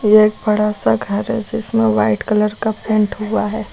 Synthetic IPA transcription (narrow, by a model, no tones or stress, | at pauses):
jeeːk̚bɐɽasaɡʱəɾɦɛ̰d͡ʒɪsmẽʋaːɪʈkələɾkapʰɛ̃ɳʈɦuaɦɛː